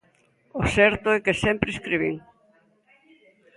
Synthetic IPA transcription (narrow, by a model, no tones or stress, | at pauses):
osɛɾt̪ʊɛkesɛmpɾeskɾiβiŋ